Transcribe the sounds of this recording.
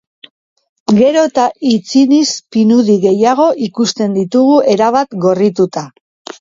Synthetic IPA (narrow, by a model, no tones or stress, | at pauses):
ɡe̞ɾo̞t̪ait͡sinispinuðiɣe̞jaɣ̞o̞ʔikust̪e̞nd̪it̪uɣue̞ɾaβat̪ɡo̞rit̪ut̪a